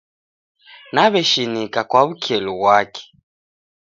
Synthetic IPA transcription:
naβɛʃinikakwaβukʰɛluβwakɛ̥

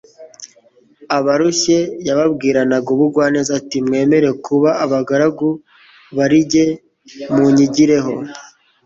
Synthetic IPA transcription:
aβaɾuʃe̞jaβabɡiːɾanaɡuβuɡwaːnizatimŋe̞ːme̞ɾe̞kuβaːβaɡaɾaɡu | βaɾiɟe̞ | muɲiɟiɾe̞ɦo̞

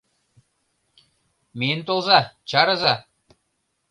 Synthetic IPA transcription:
ment̪olˠzɑt͡ɕɑɾɤ̆zɑ

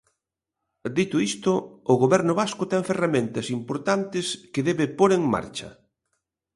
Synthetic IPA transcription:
d̪it̪ʊist̪ʊːɣoβɛɾnʊβaskʊt̪ɛŋferamẽnt̪ɐsimpoɾt̪ant̪ɪskɪðɛβɪpoɾeŋma̰ɾt͡ʃɐ̰

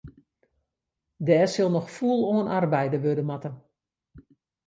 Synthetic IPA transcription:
dɛːsɪlˠnɔxfuəlˠoːənʔarbɛjdəʋødəmatə

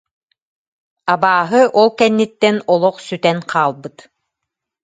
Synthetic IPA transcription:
abaːɦɯʔɔlˠkɛnːit̪ːɛnɔlˠɔqsyt̪ɛnqʰaːlˠbɯt̪

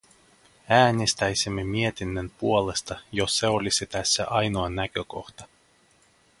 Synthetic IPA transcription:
æːnʲest̪æjsimːemie̞t̪inːønpuole̞st̪ɑjosːe̞o̞lʲisit̪æsːæ̰ʔɑjnoɑnækøko̞̰xt̪ɑ

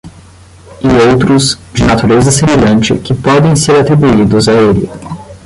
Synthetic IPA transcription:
ɪowt̪ɾʊzd͡ʒɪnat̪uɾezɐsemeʎɐ̃nt͡ʃɪ̰kɪpɔd̪ẽj̃seɾat̪ɾibuid̪ʊzaelɪ̰

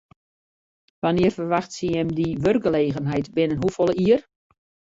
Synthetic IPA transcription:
ʋanɪərfərʋaxtsiɛmdiʋørɡɡəleːɣənɦɛjtbɪnənɦufolˠəiər

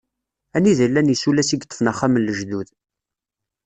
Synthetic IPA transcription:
æniðəlːænjəsulæsiɡt̪ˤːə̥fnaχːamənːəʒðuð

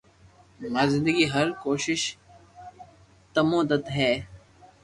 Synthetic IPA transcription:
naːzɪ̃nd̪əɡiɦɐɾkoːʃɪʃ | t̪ɐmõːd̪ət̪ɦɛː

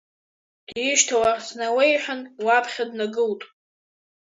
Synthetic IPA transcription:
d̥ɪʃtʰawarsnawejħʷᶣanwapʰχʲadnaɡɨltʼ

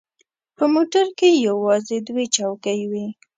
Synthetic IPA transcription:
pəmoʈaɾkejawɑzed̪wet͡ʃɑwkajwi

